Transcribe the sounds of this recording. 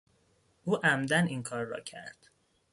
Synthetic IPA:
ʔuːʔæmd̪æniŋkʰɒːɾːɒ̰ːcʰæ̰ɾd̪̥

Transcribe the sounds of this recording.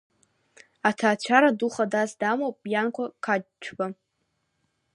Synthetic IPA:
atʰaːt͡ɕʷʰaɾaduχadazdamowpʼjankʷakʰat͡ʃʷʰba

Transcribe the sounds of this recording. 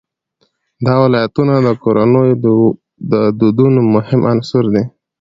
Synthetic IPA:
d̪ɑwɪlɑjat̪unad̪əkoɾanəj | d̪əd̪ud̪unomʊhɪmʔansʊɾd̪e

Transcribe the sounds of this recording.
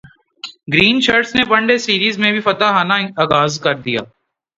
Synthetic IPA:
ɡɾiːnt͡ʃɐɾʈsnebɐ̃ɳɖesiːɾiːzmẽbʱifɐt̪aɦaːnaaːɡaːzkɐɾd̪ija̰ː

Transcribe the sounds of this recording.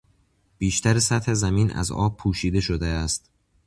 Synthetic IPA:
b̥iːʃt̪ʰæɾesæt̪hezæmiːnæ̰zɒ̰ːb̚pʰuːʃiːd̪e̞ʃod̪eæst̪̚

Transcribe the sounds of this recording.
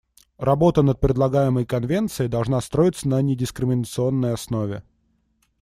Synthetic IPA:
rɐbo̞t̪ənət̪̚pɾʲɪd̪lˠɐɡajɪməjkɐnvʲent̪sɨjɪd̪ɐlˠʐnast̪ɾo̞jɪt̪sənənʲɪdʲɪskɾʲɪmʲɪnət̪sɨo̞nːəjɐsno̞vʲɪ

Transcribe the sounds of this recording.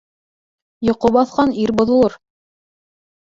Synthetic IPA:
jŏqobɑθqɑniɾbŏðŏlˠɤɾ

